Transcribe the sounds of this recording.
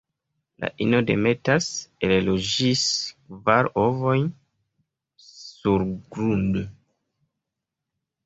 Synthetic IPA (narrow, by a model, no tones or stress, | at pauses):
la̰ʔino̞de̞me̞tasellod͡ʒiskvaɾovo̞jn | suɾɡɾundo